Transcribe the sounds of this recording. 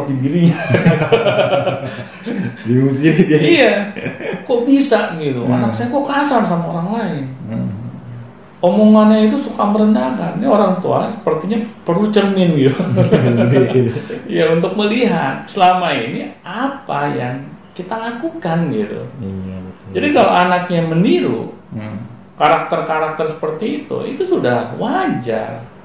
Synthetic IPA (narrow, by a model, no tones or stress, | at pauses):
t̪idiɾiɲa | dimusiija | kobisaɡit̪ṵa̰naksajakokasarsamaoɾaŋlaɪn | omoŋanait̪̬usukaməɾəndaŋannioɾaŋt̪ua̰sə̥pərt̪iɲapərut͡ʃəŋɪnɡit̪u | jaunt̪ʊk̚məliɦat̪̚səlamainiʔapajaŋkit̪alakukanɡit̪ṵ | d͡ʒadikalo̰anak̚ɲaməniɾṵ | kaɾak̚t̪ərkaɾak̚t̪ərsə̥pərt̪iːt̪ṵit̪usudahwad͡ʒa̰r